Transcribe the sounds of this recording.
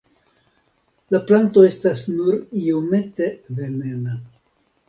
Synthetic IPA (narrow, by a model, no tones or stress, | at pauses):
laplanto̞e̞stasnuɾio̞me̞t̪e̞ve̞ne̞na